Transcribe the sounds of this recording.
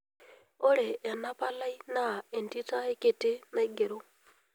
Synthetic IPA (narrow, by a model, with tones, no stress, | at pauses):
o˦ɾe˨ʔːna˦pa˦la˦i˦na˦˨e˨nti˦ta˦e˦ke˨te˦na˦ɡe˨ɾo˦